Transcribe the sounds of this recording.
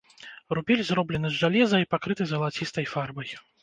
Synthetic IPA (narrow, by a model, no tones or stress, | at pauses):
rubʲɛlʲzɾɔblʲɛnɨzʐalʲɛzɐipakɾɨt̪ɨzɣɐlˠat͡sʲist̪ɐjfarbɐj